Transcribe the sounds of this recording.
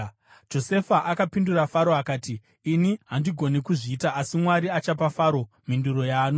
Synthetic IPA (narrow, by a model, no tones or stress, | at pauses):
d͡ʒo̞se̞faʔakapindurafaɾo̞akaːtiː | niɦandiɡʱo̞nekuʐiːtaʔasimwaɾiat͡ʃapafaːɾo̞ | minduɾo̞jaːno